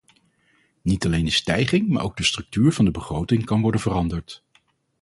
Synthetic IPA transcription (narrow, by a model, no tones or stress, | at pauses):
nitɑlejndəstɛjχɪŋma̰ːɹʔowɡ̚dəstrɵk̚tyːɹvɑndəbəχrowtɪŋkɑnʋɔɹdənvərɑndəɹt